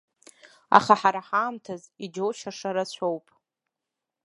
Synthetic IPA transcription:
a̰χaħaɾaħaːmtʰazid͡ʒowʃaʂaɾat͡ɕʷʰowpʼ

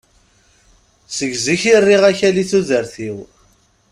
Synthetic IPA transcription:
səʝziçirːiʁæçæliθuðəɾθiw

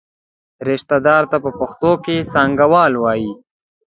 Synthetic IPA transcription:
ɾɪʃt̪ad̪ɑːɾt̪apəpʊxt̪okesɑŋɡawɑːlwɑːji

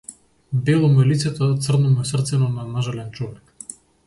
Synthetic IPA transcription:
bɛlˠɔmuɛlit̪sɛt̪ɔt̪srnɔmuɛsrt̪sɛnɔnanaʒalɛnt͡ʃɔvɛk

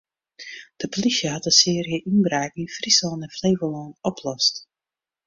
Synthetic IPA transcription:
d̥əpolisjəɦɑt̚dəsɪːriəʔinbraːkinfrisɔnɛnfleːvəlɔːnɔpʰlɔst

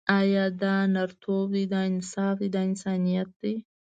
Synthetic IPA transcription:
aːjaːd̪anɐɾt̪ʰoːbd̪id̪aːɪnsaːfd̪id̪aɪnsaːnijɐt̪̚d̪i

